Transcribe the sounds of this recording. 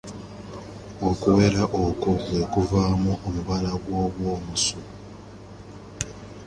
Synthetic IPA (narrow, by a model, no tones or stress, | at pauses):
okuwe̞ɾaʔokoβwe̞ːkuvaːmuomuβalaɡwo̞ːβwo̞ːmuso